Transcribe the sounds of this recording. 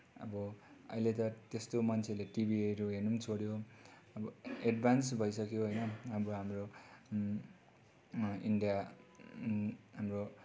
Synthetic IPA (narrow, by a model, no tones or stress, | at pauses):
ʌ̰bʌʌ̰jlet̪ʌt̪est̪omʌnt͡sʰeleʈibʱieɾuɦenumt͡sʰoɽjo | ʌbʌeɖbʱansbʱʌjsʌkjoɦojnʌʌbʌɦamro | iɳɖija | ɦamro